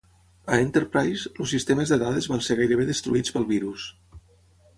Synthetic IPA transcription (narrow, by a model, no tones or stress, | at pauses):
əent̪əɾpɾajslusːist̪eməzðəðaðəzβanseɾɣajɾəβ̞eðəst̪ɾuit͡spəlˠβiɾus